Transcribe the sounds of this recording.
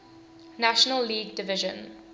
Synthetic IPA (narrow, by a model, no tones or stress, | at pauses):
naʃənəlːiːɡ̚dɪvɪʒə̰̃n